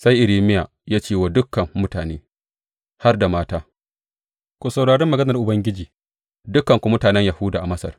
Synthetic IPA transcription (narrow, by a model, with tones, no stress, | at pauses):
sa˦jʔɪ˨liː˦˨mɪ˦jaː˨ | jaː˦t͡ʃeː˦˨waː˦dʊ˦kːɐ˨ŋːʊ˦taː˨neː˦ | ha˦rda˨maː˦taː˦ | kʷu˨sa˨wɽaː˨ɽɛ˦mːɐ˨ɡɐ˦nɐ˨rʔʊ˨bɐ˦ŋɡʲɪ˦d͡ʒiː˨ | dʊ˦kːɐ˨ŋkʷʊ˨mʊ˦taː˨nɛ˦ɲja˨hʊ˦daː˨ʔa˨mɐ˦sɐ̰˨r